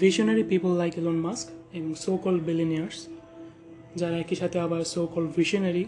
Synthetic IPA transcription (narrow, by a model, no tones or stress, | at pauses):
viʃɔnaɾipipəlːajkelõnmaskebɔŋsokɔlɖbiliniaɾs | d͡ʒaɾaɛkiʃat̪ʰeabaɾsoːkɔlɖviʃɔnaɾi